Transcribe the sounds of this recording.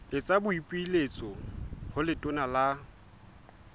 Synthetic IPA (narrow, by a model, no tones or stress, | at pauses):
ɪt͡sʼabʊipʼiilet͡sʼɔhʊlɪtʼʊnala